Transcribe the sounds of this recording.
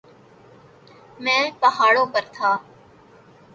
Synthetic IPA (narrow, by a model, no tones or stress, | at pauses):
mɛ̃ːlpəɦaːɽoːkəɾt̪ʰaː